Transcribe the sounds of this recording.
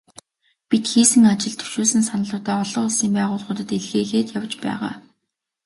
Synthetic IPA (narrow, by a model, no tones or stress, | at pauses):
pit̪xiːsɘ̆ŋat͡ɕɪ̆ɮt̪ʰɵ̥wʃuːsɘ̆nsanə̆ɮʊːt̪æːɔɮɞ̆χʊɮsiːmpæːʁʊːɮχʊːt̪ə̆t̪eɮxeːɣeːt̪jawt͡ɕpæ̰ːʁa̰ː